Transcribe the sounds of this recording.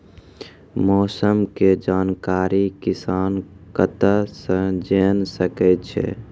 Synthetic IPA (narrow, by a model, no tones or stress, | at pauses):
mɔːsəmked͡ʒaːnkaːɾikɪsaːnkət̪əsə̃d͡ʒeːnsəkɛt̪t͡ʃʰɛ̰